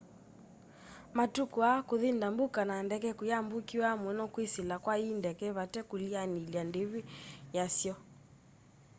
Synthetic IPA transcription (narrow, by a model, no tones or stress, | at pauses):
matukuakoðindambukanandɛkɛkujambukiwamwɛnɔkwisilakwaindɛkɛβatɛkulianiliandeβijasjɔ